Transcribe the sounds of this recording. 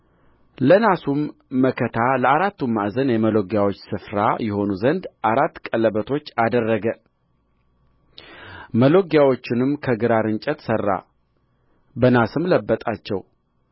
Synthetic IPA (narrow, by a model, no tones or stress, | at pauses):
lənasumːəkʰət̪ʰaləaɾat̪ːumːaʔzənjɛməloɡjawo̞t͡ʃːsɨfɾajɛho̞nuzənd̪ʔaɾat̪ːkʼələbət̪ʰo̞t͡ʃːad̪ərːəɡə | məlo̞ɡjawo̞t͡ʃːɪnɨmkʰəɡɨɾaɾɨnt͡ʃʼɛt̪sərːa̰ | bənasɨmləbːət̪ʼat͡ʃːɛw